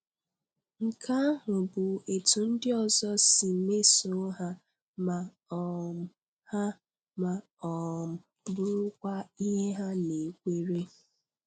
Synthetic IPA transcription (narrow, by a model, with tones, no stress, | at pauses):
ŋ̩˨kʰa˦ɦʊ˨bʊ˨e˨tu˨n̩˦dɪ˦ɔ˦˨zɔ˦si˨me˦so˦ɦa˦ | ma˨ | ɔ˨m̩˨ | ha˦ | ma˨ | ɔ˨m̩˨ | bʊ˦ɾʊ˦kʷa˦i˦ɦe˦ɦa˦ne˨kʷe˦ɾe˦